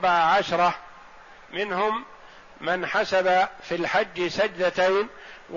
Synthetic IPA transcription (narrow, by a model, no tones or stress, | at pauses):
baʕaʕaʃɾˤɑ | mɪnhʊmː | ɪnħasabafilħad͡ʒːsad͡ʒd̪at̪ajn | w